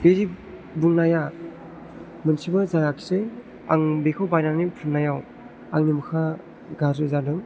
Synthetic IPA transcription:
beɾi | buŋnaja | mɯnsʰibɯzaɾakʰi̥sɯj | a̰ŋbekʰɯwbajnanipʰɯnnajaw | aŋnimɯkʰa | ɡazɯzadɯŋ

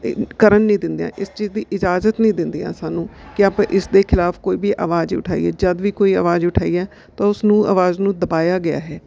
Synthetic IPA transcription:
kəɾənːĩːd̪ɪnd̪jã̰ːʔɪst͡ʃiːzd̪iːʔɪd͡ʒaːzət̪nĩːd̪ɪnd̪iːã̰ːsaːnũːkɪaːpãːʔɪsd̪eːkʰɪlaːfkoːiːbiːʔaːʋaːziːʊʈʰaːḭːɛːd͡ʒəd̪ʋiːkoːiːa̰ːʋaːzʊʈʰaːiːɛː | t̪ãːʊsnũːa̰ʋaːznũːd̪əbaːjaːɡɪja̰ːɦɛː

